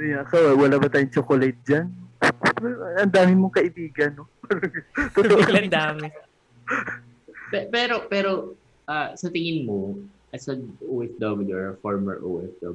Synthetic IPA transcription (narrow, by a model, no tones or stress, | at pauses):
ɐjŋʔɐkawwɐlaːbɐt̪aːjʊŋt͡ʃokolɛt̪̚d͡ʒanmɛɐɐnd̪aːmɪmoŋkɐʔɪbiːɡɐnːopːɾɐt̪ot̪oʔɐnd̪aːmɪ | pɛpɛːɾo̞pɛːɾo̞ | ʔasɐt̪ɪŋɪnmo | ʔɐsɐʔoʔɛfd̪ɐbɪloɹɐfɔɹmɛ̰ɹʔo̰ʔɛfd̪ɐ̰b